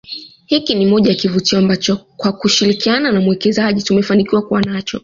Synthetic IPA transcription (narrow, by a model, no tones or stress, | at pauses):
hikinimɔʄajakivutiɔambat͡ʃɔkwakuʃiɾikiananamuwɛkɛzaʄitumɛfanikiwakuwanat͡ʃɔ̰